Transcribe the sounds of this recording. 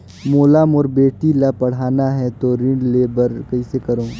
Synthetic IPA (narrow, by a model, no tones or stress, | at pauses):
moːlaːmɔːɾbeːʈilapɐɽ̤aːnaɦɛt̪oɾɪ̃ɳɖleːbəɾkɐisekɐɾõː